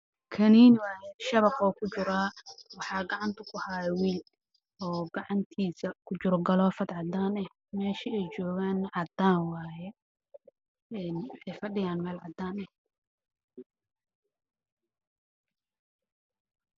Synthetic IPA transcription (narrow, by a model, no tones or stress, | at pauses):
kʰɐniːnwɑːjɛʃɐβɐqɔːkʰʊt͡ʃʊɾaːwɑħɑːɡɑʕɑnt̪ʰʊkʰʊhajɛwiːl | ʔɔːɡɑʕɑnt̪ʰiːsɐkʰʊt͡ʃʊɾɡɐlɔːfɐd̪ʕɑd̪aːnɛh | mɛːʃiɛjt͡ʃɔːɣaːnʕɑd̪aːnwɑːjɛ | ɛːnɛjfɐɖɪjaːnmɛːlʕɑd̪aːnɛh